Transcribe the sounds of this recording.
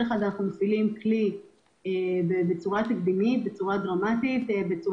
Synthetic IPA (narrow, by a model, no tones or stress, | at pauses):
eχad̪anaχnumafilimkli | ebebet͡suʁat̪ifd̪imit̪̚bet͡suʁad̪ʁamat̪it̪bet͡su